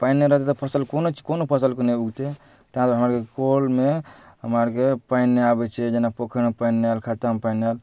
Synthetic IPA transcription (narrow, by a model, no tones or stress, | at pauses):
painːeɾəɦt̪et̪ɔpʰəsəlkonot͡ʃʰkonopʰəsəlkoneuɡt̪e | t̪ɦãt̪ɦəmaɾkekolme | ɦəməɾkepainːeabɛt͡ʃʰɛd͡ʒenapokʰenepainːealkʰat̪ampainal